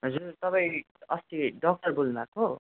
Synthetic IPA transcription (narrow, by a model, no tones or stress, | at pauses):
ɦʌd͡zurt̪ʌpaĩ | ʌst̪iɖʌk̚ʈʌrbulnako